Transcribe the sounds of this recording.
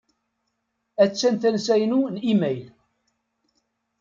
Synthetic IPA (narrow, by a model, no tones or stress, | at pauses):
æt͡sːænθænsæjənunimæjl